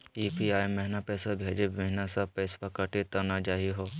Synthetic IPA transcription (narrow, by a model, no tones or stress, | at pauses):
iːpiaːjmɛɦnapɛːsabʱeːd͡ʒeeɦnasɐpɛːspakaʈit̪ɐnad͡ʒaːɦiɦoː